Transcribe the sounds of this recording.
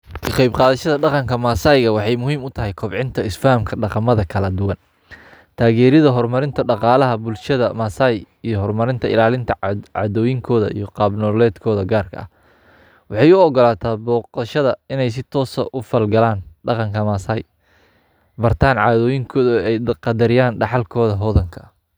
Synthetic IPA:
kʰɐqɑjbqɑːðɐʃɐðɐɖɑqɑŋkʰɐmaːsaːjɣɐwɑħɑjmʊɦiːmʊt̪ʰɐɦɛjkʰɔbʕɪnt̪ʰɐɪsfaːmkʰɐɖɑqɑmɐðɐkʰɐlɐd̪ʊwɐn | t̪ʰaːɣɛːɾɪðɐɦɔrmɐɾɪnt̪ʰɐɖɑqɑːlɐɦɐbʊlʃɐðɐmaːsaːj | ijɔɦɔrmɐɾɪnt̪ʰɐɪ̰laːlɪnt̪ʰɐʕɑ̰ːðɔːjɪŋkʰɔːðɐ̰ʔḭjɞqɑːbnɔlɛːd̪kʰɔːðɐɡaːrkʰɐ̰ɐ̰h | wɑħɑjʊɔɡɔlaːt̪ʰaːbɔːqɑʃɐðɐɪnɛjs̬ɪt̪ʰɔːsɐ̰ʔʊfɐlɡɐlaːnɖɑqɑŋkʰɐmaːsaːj | bɐrt̪ʰaːnʕaːðɔːjɪŋkʰɔːðʊɛjqɑd̪ɐɾɪjaːnɖɑħɑlkʰɔːðɐɦɔːðɐŋkʰɐ

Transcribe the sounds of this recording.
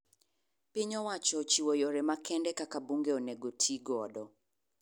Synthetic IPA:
pɪɲɔwat͡ʃɔt͡ʃiwojoɾɛmakɛndɛkakabuŋɡeonɛɡotʰiɡɔdɔ

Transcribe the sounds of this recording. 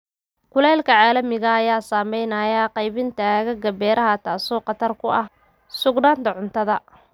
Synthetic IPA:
kʰʊlɛːlkʰɐʕaːlɐmɪɣɐːjaːsaːmɛjnɐːjaqɑjβɪnt̪ʰɐɣɐɡɐbɛːɾʔɐɦɐt̪ʰaːsɔːqɑt̪ʰɐrkʰʊʔɐh | sʊɡnaːnt̪ʰɐʕʊnt̪ʰɐðɐ

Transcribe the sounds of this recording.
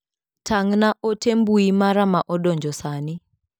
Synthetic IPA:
tʰaŋnaʔotembuimaɾamaʔɔdɔɲd͡ʒɔsanɪ

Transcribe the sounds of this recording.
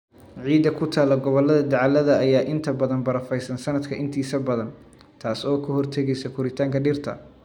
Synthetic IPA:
ʕiːd̪ɐkʰʊt̪ʰaːlɔɡɔβɔlɐðɐd̪ɐʕɑlɐðɐːjaːʔɪnt̪ʰɐbɐðɐnbɐɾɐfɛjsɐnsɐnɐd̪kʰɐʔɪnt̪ʰiːsɐbɐðɐn | t̪ʰaːsɔːkʰɐhɔrt̪ʰɛɣɛjsɛkʰʊɾɪt̪ʰaːŋkʰɐɖɪrt̪ʰɐ̰

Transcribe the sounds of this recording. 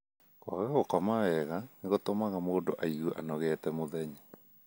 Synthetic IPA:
kwa̰ɣɛɣokɔmawɛɣaneɣotomaɣamoːndoʔaiɣuʔa̰nɔɣɛtɛmoðɛɲa

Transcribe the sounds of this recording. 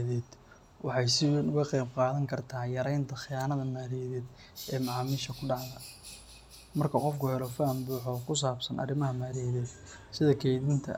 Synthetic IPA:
ðɛːd̪̥ | wɑħɑjsɪʊɣɐqɛjbqɑːðɐŋkʰɐrt̪ʰaːjɐɾɛjnt̪ʰɐχɪjaːnɐðɐmaːɾiðɛːd̪ | ɛːmɑʕɑːmiːʃɐkʰʊɖɑʕðɐ | mɐrkʰɐqɔfkʰʊhɛlɔfaːmbuːħɔkʰʊs̬aːbsɐnʔɐ̰rɪmɐɦɐmaːɾiːðɛːd̪sɪðɐkʰɛjðɪnt̪ʰɐ̰

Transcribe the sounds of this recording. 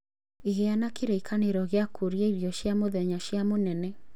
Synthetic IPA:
iɣeanakeɾeikʰaneɾɔɣeakʰoɾjaiɾjɔɕjamoðɛɲaɕjamonɛnɛ

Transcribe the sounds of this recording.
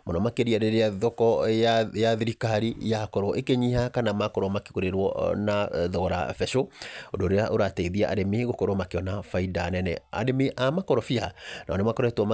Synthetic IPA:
mɔnɔmakeɾiaɾeɾeaðɔkɔjaðiɾikaɾijakɔɾɔʔekeɲihakanamakɔɾwɔmake̥koɾeɾwɔ̰naðɔɾa̰fɛʃoodoɾeaʔoɾatɛiðiaʔa̰ɾemeɣokɔɾɔmakeɔnafaidanɛnɛ̰a̰ɾemeʔamakɔɾɔfianaɔnemakɔɾɔɛtwɔm

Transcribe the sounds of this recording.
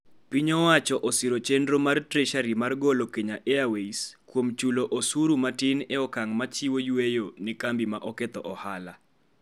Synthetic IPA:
piɲɔwat͡ʃɔʔɔsiɾot͡ʃendɾomartɾɛʃaɾimarɡolokeɲaʔeaweiskwomt͡ʃuloʔosuɾumatɪneɔkaŋmat͡ʃiwojwejonɛkambimaʔɔket̪ɔʔɔhala

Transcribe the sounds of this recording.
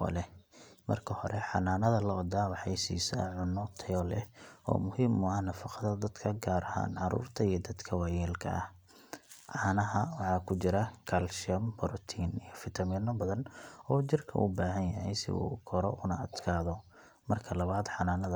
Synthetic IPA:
ɔ̰lɛmɐ̰rkʰɐhɔɾɛħɑ̰naːnɐðɐlɔd̪aːwɑħɑjsḭːsɐ̰ʕʊnːɔt̪ʰɛjɔlɛɔ̰ːmʊhiːmʊɐhnɐfɑqɑðɐd̪ɐd̪kʰɐɡaːɾɐha̰ːnʕɑɾṵːrt̪ʰɐijɞd̪ɐd̪kʰɐwɑjɛːlkʰɐ̰ɐh | ʕɑːnɐɦɐwɑħɑːkʰʊt͡ʃɪɾɐkʰɐlʃɪɐmbɐɾʊt̪ʰiːnijɞfɪt̪ʰɐmiːnɐbɐðɐnɔːt͡ʃɪrkʰɐ̰ʔubaːɦɐnjɐɦɛjsɪ̰ṵːkʰɔɾɔ̰ʔʊnɐɐd̪kʰaːðɔ | mɐrkʰɐlɐβaːd̪ħɑnaːnɐðɐ

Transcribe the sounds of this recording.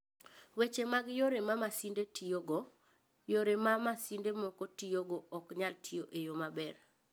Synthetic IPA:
wet͡ʃemaɡjoɾemamasindetʰioɡɔ | joɾemamasindemɔkotijoɡɔɔkɲaltʰijoʔejomabɛr

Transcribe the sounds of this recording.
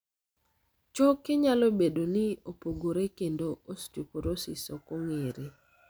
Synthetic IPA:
t͡ʃɔkːɪɲalobedonɪopoɡoɾekendoostupoɾosḭsɔkoŋeɾe

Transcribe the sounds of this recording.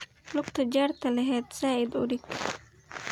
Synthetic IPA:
lʊqt̪ʰɐd͡ʒaːrt̪ʰɐlɐɦɛːd̪saːʔɪd̪ʊ̰ɾɪɡ

